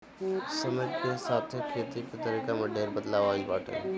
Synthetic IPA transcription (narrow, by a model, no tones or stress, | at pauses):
sɐməd͡ʒkesaːt̪ʰekʰeːt̪iket̪əɾiːkamɐɖʱeːɾbəd̪laːʋaːlbaːʈɛ̰̃ː